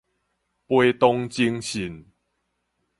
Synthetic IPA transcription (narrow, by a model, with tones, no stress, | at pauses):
pwe˦t̪ɔ˦ŋt͡ɕi˧˦ŋɕi˨˩n